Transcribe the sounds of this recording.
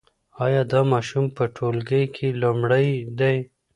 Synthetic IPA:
ɑjɑd̪ɑmɑʃumpəʈʰolɡəjkʰelumɽəjd̪aj

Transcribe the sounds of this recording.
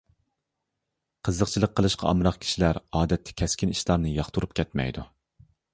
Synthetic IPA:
qʰəzːəqt͡ʃʰilˠəqʰːəlˠɨʃqʰɑ̰ɑ̰mɾɑχkʲʰi̥ʃilæɾɑːd̪ɛt̪ʰːɛ̥kʲʰɛskʲiniʃlˠɑɾnɨjɑχt̪ʰuɾup̚kʲʰɛt̪mɛ̰jd̪u

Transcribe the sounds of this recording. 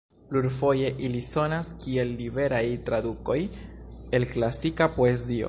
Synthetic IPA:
pluɾfo̞je̞ʔiliso̞naskie̞lːibe̞ɾajtɾaduko̞je̞lklasikapo̞e̞zio̞̰

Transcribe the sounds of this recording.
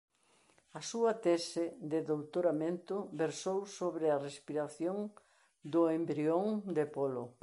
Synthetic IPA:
ɐsuɐt̪ɛsɪd̪ɪðowt̪oɾamẽnt̪ʊbeɾsowsoβɾɪɐrespiɾaθjoŋ | d̪ʊembɾioŋd̪ɪpolʊ

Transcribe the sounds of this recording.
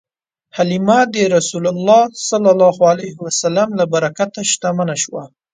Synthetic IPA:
halimad̪əɾasulalːɑsalːalːɑhualajhɪwasalamlabaɾakat̪aʃt̪amanaʃwa̰

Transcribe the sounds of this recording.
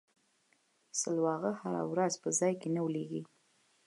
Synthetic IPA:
səlwɑɣəhaɾa̰wɾazpəzɑjkenawleɡi

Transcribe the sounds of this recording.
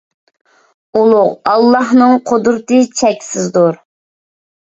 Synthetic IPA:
ulˠʊʁɑlˠːɑhnɨŋqʰod̪ɾɨt̪ɨt͡ʃʰɛkʲsɪzd̪uɾ

